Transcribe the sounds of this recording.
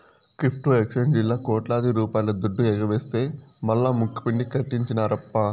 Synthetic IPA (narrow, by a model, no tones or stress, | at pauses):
kɾipʰʈuekʂend͡ʒilːaːkɔːʈlaːd̪iɾuːpaːjlɐd̪uɖːuɛɡɐʋeːst̪e̞ːmɐlːaːmukːɐ̥piɳɖikɐʈːiɲt͡ʃinɐɾɐpːɐ